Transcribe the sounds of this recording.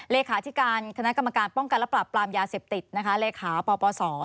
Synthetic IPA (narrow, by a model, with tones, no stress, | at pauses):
leː˧kʰaː˩˦t̪ʰi˦˥kaː˧nk̪ʰa˧na˦˥ka˧mːa˧kaː˧npɔ˥˩ŋka˧nlɛ˦˥pɾa˨˩pːlaː˧mjaː˧seː˨˩p̚t̪i˨˩t̪̚na˦˥kʰa˦˥leː˧kʰaː˩˦pɔː˧pɔː˧sɔː˩˦